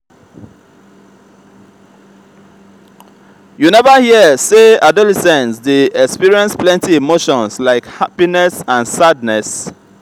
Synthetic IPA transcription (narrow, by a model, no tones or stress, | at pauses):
junɛvəhiəseadɔlɛsɛ̃nsdeɛkspiɹiɛ̃nsplɛ̃ntiimoʃɔ̃nslaɪkhapinɛsãnsadnɛs